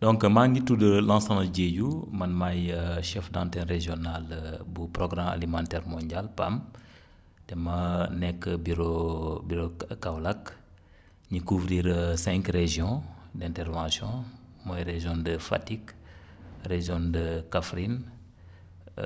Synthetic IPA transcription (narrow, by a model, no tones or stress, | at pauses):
dɔ̃ŋkmaŋɡitudəlãːsanɐɟeɟumɐnmajəʃɛfdãntɛ̃ɾeʒɔnalbupɾoɡɾãma̰limãntɛːɾmɔ̃ɲɟalpam | tɛmɐnɛkːəbiɾobiɾokawlɐk | ɲikuvɾiːɾsɛ̃ŋkreʒɔ̃dɛ̃ntɛɾvãsjɔ̃mɔjɾeʒɔ̃ndəfa̰tik | reʒɔ̃ndəkafɾin